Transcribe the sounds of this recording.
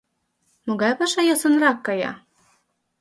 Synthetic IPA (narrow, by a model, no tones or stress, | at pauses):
moɡɑjpɑʃɑjosɤ̆nrɑkːɑjɑ̰